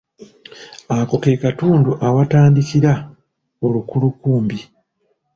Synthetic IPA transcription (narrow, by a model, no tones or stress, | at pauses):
ako̞kekatuːnduʔawataːndikiɾa | olukulukuːmbi